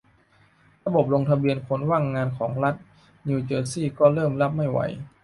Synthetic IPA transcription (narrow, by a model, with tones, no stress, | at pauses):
ɾa˧bo˨˩p̚lo˧ŋt̪ʰa˧bi˧ənkʰo˨˧˥nwaː˥˩ŋːaː˧nkʰɔː˩˦ŋɾa˦˥t̪̚ | niː˧t͡ɕɤː˧siː˥˩kɔː˥˩ɾɤː˥˩mla˦˥p̚ma˥˩jwa̰˩˦j